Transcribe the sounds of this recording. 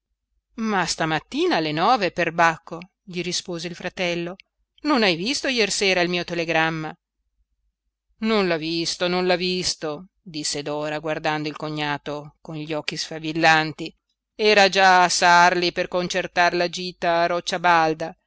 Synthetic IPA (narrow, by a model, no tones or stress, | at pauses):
mast̪amat̪ːiːnalenɔːveperbakʰːo | ʎiɾispoːzeilfɾat̪ɛlːo | nonajvist̪ojɛrseːɾailmiːot̪eleɡɾamːa | nonlavist̪ononlavist̪o | d̪isːed̪ɔːɾaɡward̪and̪oilkoɲːaːt̪okonʎiɔkːisfavilːant̪i | ɛːɾad͡ʒaːsarliperkont͡ʃert̪aɾelad͡ʒiːt̪aːɾɔt͡ʃːabald̪a